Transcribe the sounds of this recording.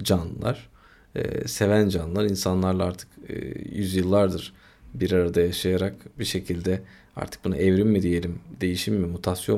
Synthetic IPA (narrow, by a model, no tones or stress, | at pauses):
d͡ʒanɯlˠa̰ɾ̥̰ | se̞vænd͡ʒanɯlˠaɾinsanlˠaɾlˠaaɾt̪ʰɯ̥kːjyzjɯlˠːaɾd̪ɯɾ̥ | biɾaɾad̪ajaʃajaɾakbiʃe̞cʰilʲd̪ɛ | a̰ɾt̪ʰɯ̥k̚buna̰ʔɛvɾimmid̪ije̞lʲimd̪e̞jiʃimːimut̪ʰasjo